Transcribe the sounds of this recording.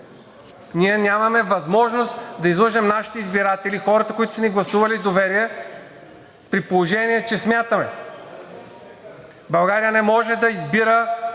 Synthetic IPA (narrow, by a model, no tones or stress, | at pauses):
niɛnʲamɐmɛvɐzmɔʒnost̪d̪ɐizlˠɤʒɛmnaʃi̥t̪ɛizbiɾat̪ɛlixɔɾɐt̪əkoit̪ʊ̥sniɡlˠɐsuvɐlid̪ovɛɾiɛ | pɾipolˠoʒɛniɛt͡ʃɛsmʲjat̪əmɛ̰ | bɐlˠɡaɾijənɛmɔʒɛd̪ɐizbiɾə